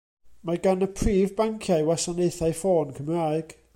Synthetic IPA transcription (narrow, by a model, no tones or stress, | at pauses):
maɡanəpʰriːvbaŋkʰjajwasanejθajfoːnkʰəmraːɨɡ̥